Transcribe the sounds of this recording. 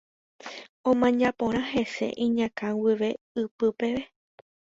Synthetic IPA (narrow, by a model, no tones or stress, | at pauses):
õmãɲãpõɾ̃ãɦe̞se̞̰ʔĩɲãkãwiʋe̞ | ɨpɨpe̞ʋe